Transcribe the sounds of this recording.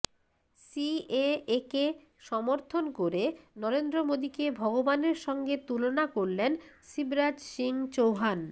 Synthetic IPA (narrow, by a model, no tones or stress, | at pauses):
sieeke | ʃɔmoɾt̪ʰonkoɾenɔɾend̪ɾomod̪ikebʱɔɡobaneɾʃɔŋɡet̪ulonakoɾlensibɾad͡ʑʃiŋt͡ɕowɦan